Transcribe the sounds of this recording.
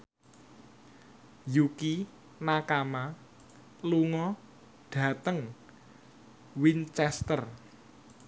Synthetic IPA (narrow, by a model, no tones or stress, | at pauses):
juki | nakama | luŋɔ | ɖ̥ä̤t̪əŋ | wint͡ʃɛst̪ər